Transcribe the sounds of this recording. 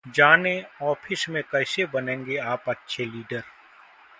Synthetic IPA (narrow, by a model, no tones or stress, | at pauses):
d͡ʒaːnẽɔːpʰɪsmẽkɛːsebɐnẽːŋɡeaːpɐtːʃʰeliːɖəɾ